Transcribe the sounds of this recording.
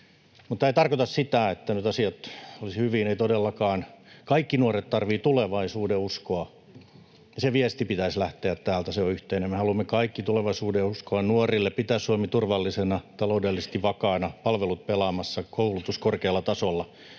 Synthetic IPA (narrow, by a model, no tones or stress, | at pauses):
mut̪ːæit̪ɑrkot̪ɑssit̪æet̪ːænyt̪ɑsiɑt̪olishyʋineit̪odelːɑkɑːnkɑikːinuoret̪t̪ɑrʋiːt̪uleʋɑisuːdeuskoɑ | jɑseʋiɛst̪ipit̪æislæht̪eæt̪t̪æːlt̪æseoyht̪einemmehɑlumːekɑikːit̪uleʋɑisuːdeuskoɑnnuɔrilːeppit̪æːssuomit̪urʋɑlːisenɑt̪ɑloudelːise̥st̪iʋʋɑkɑːnɑpɑlʋelut̪̚pelɑmɑsːɑkoulut̪uskorkeːlːɑt̪ɑsolːɑ